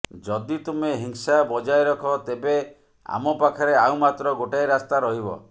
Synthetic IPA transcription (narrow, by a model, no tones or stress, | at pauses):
d͡ʒɔd̪it̪umeɦiŋsabɔd͡ʒajɾɔkʰɔt̪ebe | a̰mɔpakʰaɾeaw̃mat̪ɾɔɡoʈajɾast̪aɾɔɦibɔ̰